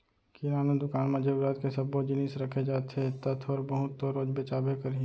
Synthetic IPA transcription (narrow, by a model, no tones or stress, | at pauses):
kɪɾaːnad̪ʊkaːnmãd͡ʒebɾaːt̪kesɐbːod͡ʒɪnisɾɐkʰed͡ʒaːt̪et̪ɐt̪ʰɔɾbəɦʊt̪ːoɾoːd͡ʒbet͡ʃaːbekəɾ